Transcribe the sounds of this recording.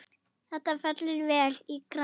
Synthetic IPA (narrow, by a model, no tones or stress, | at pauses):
θɛht̪afɛt̪llvɛːlikɾa